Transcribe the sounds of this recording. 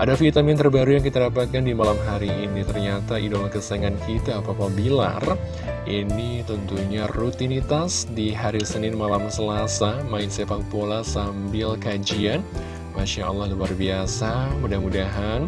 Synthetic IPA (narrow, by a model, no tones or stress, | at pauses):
ʔadafit̪amjant̪ərbaɾujaŋkit̪adapat̪̚kandimalamɦaɾiːnit̪ərɲat̪aʔidolakəsaŋankit̪aːpapabila̰r | ʔinit̪ənt̪uɲarut̪init̪asdiɦaɾisənɪnmalamsəlasamaɪnsepak̚polasambɪlkad͡ʒian | maʃaɑ̰lːɑhluarbiasamudahmudaɦan